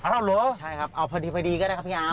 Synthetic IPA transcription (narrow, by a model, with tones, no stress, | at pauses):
a˧ɾa˥˧˩wloː˨˦˥t͡ɕʰa˦˥˩jkʰa˦˥p̚ʔa˧wpʰa˧diː˧pʰa˧jdiː˧kɔ˥˩ɾa˥˩kʰa˥pʰiː˥˧ʔaː˧˥˩